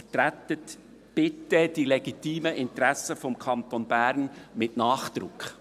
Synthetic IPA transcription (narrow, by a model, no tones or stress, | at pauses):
ətɾætət | b̥ɪtəd̥ilɛɡ̥itiːməʔɪnt̪ɾæsəfɔmkʰɑnt̪onbæːɾnmɪtnɑːχd̪ɾʊkχ